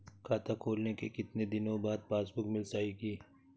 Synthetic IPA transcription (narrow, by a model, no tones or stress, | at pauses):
kʰaːt̪ʰakʰoːlnekḛkɪt̪ned̪ɪnõbaːd̪̚paːsbʊkmɪlsaːiɡiː